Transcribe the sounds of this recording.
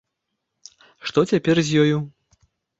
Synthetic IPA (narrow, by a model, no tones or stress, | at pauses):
ʂt̪ɔt͡sʲapʲɛrzʲjɔju